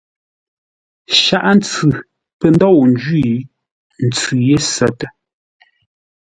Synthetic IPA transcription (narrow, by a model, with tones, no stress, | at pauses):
ʃa˦˨ʔn˦t͡sʉ˨ | pə˨n˦dɔ˦˨wn̩˦d͡ʒɥi˦˨ | n̩˨t͡sʉ˨je˦˨sɛ˨tə˦